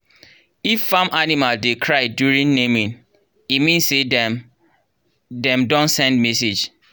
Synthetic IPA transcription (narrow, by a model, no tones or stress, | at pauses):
ifːãmʔanimaldekʰɹaɪdjuɹĩnnemĩn | imĩnsed | dɛ̃mdɔ̃ntsɛ̃nd̚mɛsed͡ʒ